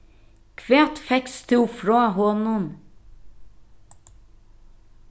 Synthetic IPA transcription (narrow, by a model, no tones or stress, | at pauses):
kʰʋeːt̪fɛkst̪ʰuːfɾoːhɔnʊn